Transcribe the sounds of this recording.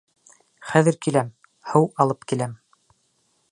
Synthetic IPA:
χæðɘ̆ɾkilæm | hɤwɑlˠɤpkilæm

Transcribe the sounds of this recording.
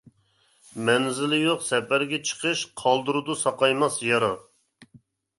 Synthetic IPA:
mɛnzɪlɪjoqsɛpæɾɡʲɛt͡ʃʰə̥qʰəʃqʰɑlˠd̪uɾud̪usɑqɑjmɑsjɑɾɑ

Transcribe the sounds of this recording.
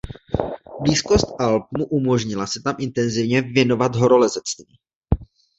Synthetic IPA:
bliːsko̞st̪alp̚muʔumo̞ʒɲɪlasɛt̪amʔɪnt̪ɛnzɪvɲɛvjɛno̞vat̪ɦo̞ɾo̞lɛzɛt͡st̪viː

